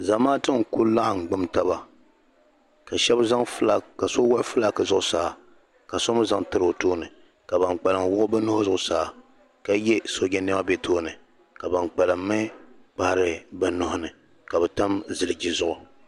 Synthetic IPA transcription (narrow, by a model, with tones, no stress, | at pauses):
za˨maː˦tɨ˦ŋku˦la˦ʔŋ̩˨ɡ͡bʊ˦mta˦βa˨ | ka˨ʃɛ˦bza˦ŋ˦lka˨so˦wa˦fɨ˦la˨kɨ˨zʊ˦ʔʊ˦saː˨ | ka˨so˦mʊ˦za˦ŋtɨ˦ɾo˨toː˦nɨ˨ | ka˨ba˨nk͡pa˨lɨ˨mwʊ˦ʔʊ˦ba˦nʊ˦hʊ˦zʊ˦ʔʊ˦saː˨ | ka˦jɛ˦so˦ɡʲɛ˦nɛ˦ma˦be˦toː˦nɨ˨ | ka˨ba˨nk͡pa˨lɨ˨mːɨ˦k͡pa˦˨hɾɨ˨ba˨nʊ˨hʊ˦nɨ˨ | ka˨bɛ˨ta˦mzɨ˨lɨ˨d͡ʒi˦zʊ˦ʔʊ˨